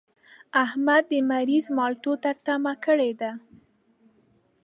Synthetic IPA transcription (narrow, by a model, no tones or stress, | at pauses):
ahmad̪ːəmaɾizmɑlʈot̪aɾt̪amakəɽed̪a